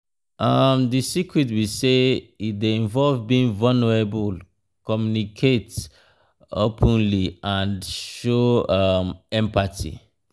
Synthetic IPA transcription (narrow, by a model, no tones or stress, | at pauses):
ʔamdisikɹitwiseideĩnvɔlvbiĩŋvanəɹebul | kɔmjunikʰet | opʰə̃nliãndʃoamɛ̃mpatʰḭ